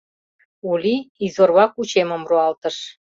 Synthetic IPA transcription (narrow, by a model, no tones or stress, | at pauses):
ulʲiizorβɑkut͡ɕemə̆mruɑlt̪ə̆ʃ